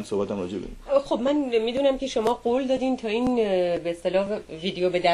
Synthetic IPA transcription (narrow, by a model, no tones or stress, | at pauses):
nsohbæt̪æmɾɒd͡ʒebḛxo̞bmænmid̪uːnæmcʲʰe̞ʃo̞mɒːɡoːld̪ɒːd̪iːnt̪ʰɒːiːnbeːst̪e̞lɒːɦviːd̪ejobe̞d̪æ